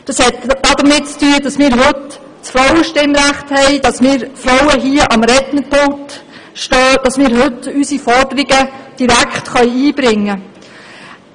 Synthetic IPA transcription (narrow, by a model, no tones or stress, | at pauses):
d̥ɑshɛtːɑd̪əmɪt̚t͡styːəd̥ɑsmɪːɾɦɵt | sfɾɔwəʃtɪmɾæχthɛɪd̥ɑsmɪːɾfɾɔwəɦiəʔɑmɾɛt̪nəpʰolt | ʃtɔːd̥ɑsmɪːɾɦɵtysifɔrd̥əɾɪɡəd̥iɾækʰχtχœʏiːb̥ɾɪŋːə